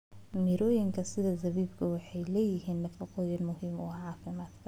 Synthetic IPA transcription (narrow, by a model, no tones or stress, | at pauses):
miɾɔːjɪŋkʰɐsɪðɐzɐβiːbkʰɐwɑħɑjlɛːjɪɦiːnːɐfɑqɔːjɐnmʊɦiːmɔːʕɑːfɪmaːd̪kʰɐ̥